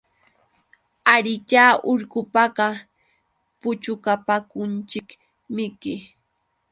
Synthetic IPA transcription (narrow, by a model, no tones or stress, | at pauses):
aɾɪt͡ʃaːʔʊɾkʊpɑɢɑ | pʊt͡ʃʊkapakʊnt͡ʃɪk | mɪkɪ